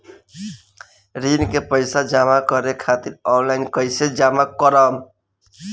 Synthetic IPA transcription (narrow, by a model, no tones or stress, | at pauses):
ɾinkepəɪsad͡ʒamakəɾekʰat̪iɾɔnlaɪnkəjsed͡ʒamakəɾəm